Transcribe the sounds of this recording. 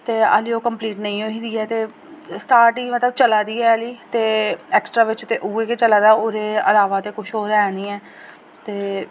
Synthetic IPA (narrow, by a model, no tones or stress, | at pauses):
t̪eːa̰ːliːoːkəmpliːʈnəĩːoːĩːd̪iːɛːt̪eː | sʈaːɾʈiːmət̪ləbt͡ʃəlaːd̪iːɛːəliːt̪eːɛːksʈɾaːʋɪt͡ʃt̪eʔuːeːket͡ʃəlaːd̪aːoːɾeːə̰laːʋaːt̪eːkʊʃɦoːɾɛːniːɛː | t̪eː